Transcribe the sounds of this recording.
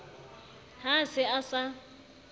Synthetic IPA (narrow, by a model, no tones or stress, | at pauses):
ɦasɪasa